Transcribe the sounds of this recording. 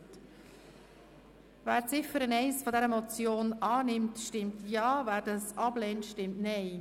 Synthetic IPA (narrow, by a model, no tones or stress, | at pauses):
t | væːɾt͡sɪfəɾənɛɪsfɔd̪ɛɾəmɔt͡sjoːnɑːnɪmtʃtɪmtjɑːvæːɾdɑsɑblɛːntʃtɪmtnɛɪ